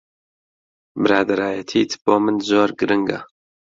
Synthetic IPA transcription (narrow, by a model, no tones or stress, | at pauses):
bɨɾaːd̪ɐɾaːjɐt̪ʰiːt̪ʰb̥oːmɨnzoːɾɡɨɾɨŋɡa̰